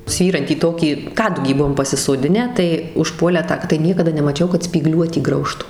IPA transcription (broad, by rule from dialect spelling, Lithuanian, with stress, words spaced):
ˈsʲʋʲiːrɐnʲtʲiː ˈtoːkʲiː ˈkɑːdʊɡʲiː ˈbʊʋoːm pɐsʲɪsoːˈdʲɪnʲæː tɐɪ ʊʃˈpuɔlʲæː ˈtɑː tɐɪ ˈnʲiɛkɐdɐ nʲɛmɐˈt͡ʃʲɛʊ kɐt sʲpʲiːˈɡlʲuɔtʲiː ˈɡrɐʊʃtʊ